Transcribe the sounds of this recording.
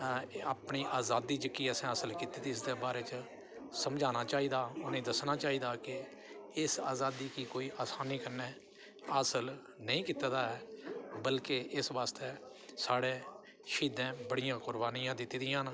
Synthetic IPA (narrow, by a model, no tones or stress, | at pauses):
aːpɳiːʔaːzaːd̪ːiːt͡ʃəkiːəsẽːasəlkiːt̪iːt̪iːɪsd̪eːbaːɾeːt͡ʃə | səmd͡ʒaːnaːt͡ʃaːiːd̪aːʊnẽːd̪əsnaːt͡ʃaːiːd̪aːkɪ | ɪsaːzaːd̪iːkiːkoːiːʔaːsaːniːkənːeː | əːsəl | nəĩːkiːt̪aːd̪aːɛːbəlkeʔɪsʋaːst̪eː | saːɽeː | ʃiːd̪ẽːbəɽɪjãːkʊɾbaːnijãːd̪ɪt̪ːiːd̪ɪjãːn